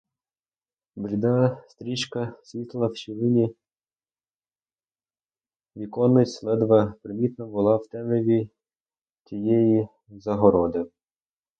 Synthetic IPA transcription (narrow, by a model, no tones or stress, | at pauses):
bɾʲid̪ɑst̪ɾʲit͡ʃkɐsʲʋʲit̪lˠɐwt͡ʃiʋɪnʲi | ʋʲikɔnːɪtʲslˠɛd̪ʋɐpɾɪmʲit̪nɐbʊlˠɑwt̪ɛmeʋʲi | tʲijɛji | zɐɦɔɾɔd̪ɪ